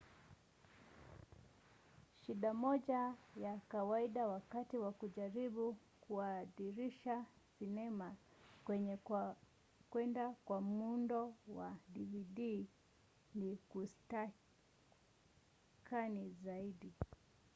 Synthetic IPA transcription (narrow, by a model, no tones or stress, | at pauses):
ʃiɗamɔʄajakawaiɗawakatiwakuʄaɾiɓu | kuaðiɾiʃasinɛma | kwɛɲɛ | kwɛndakwam̩undɔwaɗiviɗi | nikusta | kʰanizaiɗi